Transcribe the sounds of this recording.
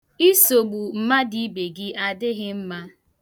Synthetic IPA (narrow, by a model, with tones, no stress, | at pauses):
i˦so˨ɡ͡bu˨m̩˦ma˦di˦be˨ɡɪ˦a˦dɪ˦ɣɪ˦m̩˦ma˦